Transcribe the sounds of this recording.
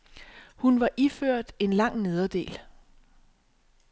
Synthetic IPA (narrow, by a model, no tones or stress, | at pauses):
hunʋɑ̈ʔiføɐ̰d̥e̝nlɑ̈ŋ̰ne̝ð̞ˠɐd̥e̝̰ːl